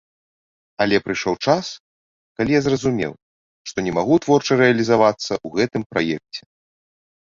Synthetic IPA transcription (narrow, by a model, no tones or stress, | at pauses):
ɐlʲɛpɾɨjʂɔwt͡ʂas | kalʲijazrɐzumʲɛ̰w | ʂt̪ɔnʲɛmaɣut̪vɔrt͡ʂɐɾɛɐlʲizavat̪sːɐʔuɣɛt̪ɨmpɾa̰jɛk̚t͡sʲɛ